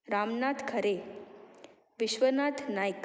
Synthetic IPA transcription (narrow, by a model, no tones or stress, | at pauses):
ɾamnat̪ʰkʰəɾe | ʋiɕʋənat̪ʰnajk